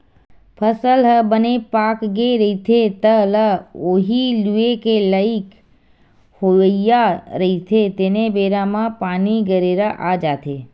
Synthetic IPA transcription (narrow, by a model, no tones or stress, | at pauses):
pʰəsəlɦəbənepaːkɡeɾəit̪ʰet̪ələoːɦiluekeləɪk | hoəjaɾəit̪ʰet̪eːnebeːɾamãpaːniɡəɾeːɾaʔad͡ʒaːt̪ʰe